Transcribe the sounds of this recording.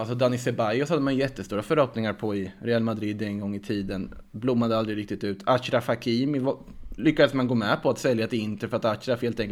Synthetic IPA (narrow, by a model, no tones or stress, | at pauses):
alsɔd̪anɪsɛbajʊsad̪ːəmanjjɛt̪ːəst̪uːɾafœɾhɔpnɪŋaɾpʰɔɪɾɛalmad̪ɾiːd̪ːɛnɡɔŋːɪt̪ʰiːd̪ən | blʊmːad̪əald̪ɾɪɡɾɪk̚t̪ɪt̪ʉ̟ːt̪ʰaçɾafakʰiːmɪv | lʏkːad̪əsmanɡoːmɛpʰɔat̪sɛljat̪ɪɪnt̪əɾfœɾat̪aɕɾaheːlt̪ɛŋk